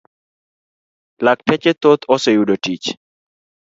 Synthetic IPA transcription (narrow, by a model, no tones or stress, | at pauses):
lak̚tɛt͡ʃet̪ot̪osejudotit͡ʃ